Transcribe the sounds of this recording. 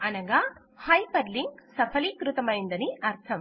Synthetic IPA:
ɐnɐɡa | hɐjpɐɾliŋɡsɐpʰɐlikɾut̪ɐmɐjind̪ɐniɐɾt̪ʰɐm

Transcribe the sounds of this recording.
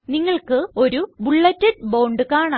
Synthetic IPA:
niŋːɐɭkɨo̞ɾubuɭːɐtːɐɽ̚bowɳɖɨkaːɳa

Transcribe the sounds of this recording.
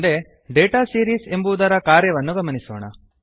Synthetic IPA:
d̪e̞ | ɖeːʈaːsiːɾiːse̞mbuːd̪ɐɾɐkaːɾjɐʋɐnːuɡɐmɐnisɔːɳɐ̰

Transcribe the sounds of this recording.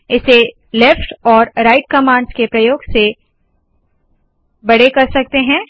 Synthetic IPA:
ɪse | lɛfʈɔːɾɾaɪʈ̚kɐmãːɳɖskepɾɐjoːɡse | bɐɽekɐɾsɐk̚t̪eɦɛ̃ː

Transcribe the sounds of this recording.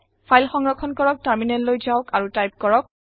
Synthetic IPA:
pʰajlxɔŋɹɔkʰɔnkɔɹɔk̚taɹminɛllojzaʊkaɹutajp̚kɔɹɔk̚

